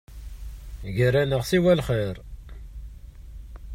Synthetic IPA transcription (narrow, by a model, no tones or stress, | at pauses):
ʝəɾænəʁsiwælχiɾ